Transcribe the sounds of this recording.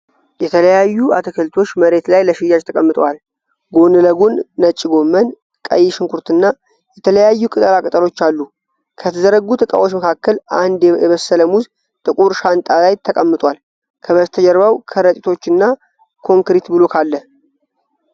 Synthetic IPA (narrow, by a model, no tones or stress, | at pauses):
jɛt̪ʰələjajːuʔat̪ʰəkʰəlt̪ʰo̞t͡ʃːməɾe̞t̪lajləʃɪjad͡ʒt̪ʰəkʼəmːɨt̪ʼwal | ɡo̞nɨləɡunːət͡ʃʼːiɡo̞mːən | kʼə̰jɪʃɪŋkʰuɾt̪ɨnːa | jɛt̪ʰələjajːukʼɨt̪ʼəlakʼɨt̪ʼəlo̞t͡ʃːalːu | kʰət̪ʰəzəɾəɡːut̪ʼɨkʼa̰wot͡ʃːməkʰakːəland̪jɛβəsːələmuz | t̪ʼɨkʼuɾʃant̪ʼalajt̪ʰəkʼəmːɨt̪ʼwal | kʰəβəzt̪ʰəd͡ʒəɾβawkʰəɾət̪ʼit̪ʰo̞t͡ʃːɨnːa | kʰo̞ŋkɾit̪bɨlo̞kʰalːəh